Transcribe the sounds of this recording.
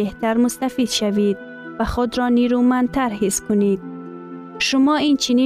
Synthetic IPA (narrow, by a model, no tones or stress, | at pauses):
eht̪aɾmʊst̪afid̪ʃavid̪ | vaχud̪ɾɔniɾumant̪ʰaɾhiskʰʊnid̪̚ | ʃʊmɔint͡ʃʰini